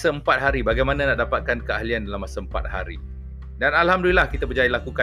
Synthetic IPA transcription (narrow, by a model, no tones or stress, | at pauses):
saəmpat̪̚ɦaɾibaɡajmanãnaʔdapat̪̚kankəaɦliandalamːasaəmpa̰t̪̚ha̰ɾḭ | danalhamdulilahkit̪abərd͡ʒailakuka